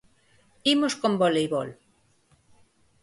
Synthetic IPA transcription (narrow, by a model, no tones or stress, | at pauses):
imoskombolejβol